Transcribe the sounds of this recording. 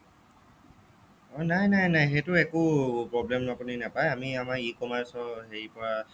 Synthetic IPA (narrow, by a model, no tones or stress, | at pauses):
ɔnajnajnajxejtʊɛkʊpɹɔblɛmapuninapajamiamaɹikɔmaɹsɔheɹipɔɹa